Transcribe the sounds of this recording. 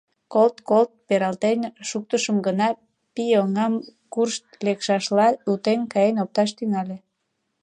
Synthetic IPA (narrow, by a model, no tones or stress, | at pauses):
kolt̪kolt̪̚peɾɑlt̪enʃuk̚t̪əʃəmɡənɑ | pijoŋɑmkurʃt̪lekʃɑʃlɑut̪enkɑjenop̚t̪ɑʃt̪yŋɑle